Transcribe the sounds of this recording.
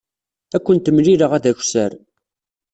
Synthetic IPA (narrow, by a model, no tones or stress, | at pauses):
ækʷːənt̪əmliɾəʁæðæçʷsəɾ